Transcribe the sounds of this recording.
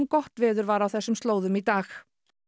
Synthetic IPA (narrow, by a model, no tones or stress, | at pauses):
mkɔht̪vɪːðʏɾvaɾawθɛsːʏmst̪loːwðʏmit̪aːx